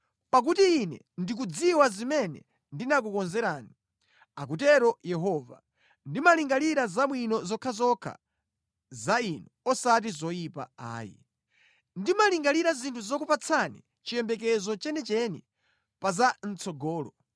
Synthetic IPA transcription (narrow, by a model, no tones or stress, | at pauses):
pak̬utiːnɛ̰ | ndik̬ud͡ziwazimɛnɛ̰ | ndinak̬ukɔnzɛɾaːni | ak̬utɛɾɔjɛɦɔːva̰ | ndimaliŋɡaliɾazamwinɔzɔkʰazɔkʰa̰ | zainɔɔsat̬izɔjipa̰a̰ːjḭ | ndimaliŋɡaliɾazintʰuzɔkupat͡sʰanḭ | t͡ʃijɛmbɛk̬ɛzɔt͡ʃɛnɛt͡ʃɛni | pazan̩t͡sɔɡɔːlɔ